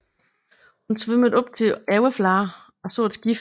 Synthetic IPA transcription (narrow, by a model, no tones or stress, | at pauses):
hunsʋøməð̩ˠɒ̽b̥̚t͡sʰe̝æʊflɑ̈ː | ɒ̽so̰ːed̥sɡ̥if